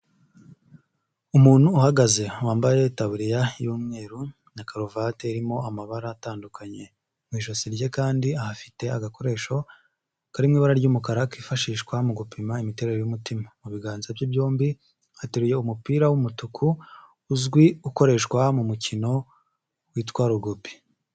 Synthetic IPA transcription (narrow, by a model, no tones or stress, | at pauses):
umuːn̥huːhaɡaze̞waːmbajetaβuɾijajuːmŋe̞ːɾu | nakaɾovateiɾimo̞amaβaɾaːtaːndukʰaɲe̞ | mŋiːʃosiɾɟe̞kaːndiahafi̥te̞aɡako̞ɾe̞ːʃo̞ | kaɾimŋiːβaɾaɾɟuːmukaɾakifaʃiːʃkwamuɡupimaimite̞ːɾe̞ɾo̞jumutimamuβiɡaːnzabjibjo̞ːmbi | hateɾuje̞umupiːɾawumutukʰuː | zɡwiuko̞ɾe̞ʃkwamumucino̞ | wiːtwaːɾuɡupi̥